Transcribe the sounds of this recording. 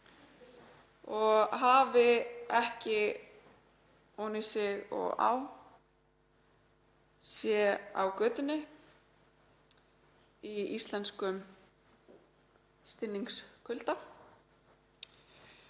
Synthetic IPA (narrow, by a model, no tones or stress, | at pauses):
ɔɣɦaːvɪɛhcɪ | oːwnɪsɪɣɔ̰ɣa̰w | sjɛa̰wkœːt̪ʏnːɪ | iist̪lɛnskʏm | st̪ɪnːiŋkskʰʏlt̪a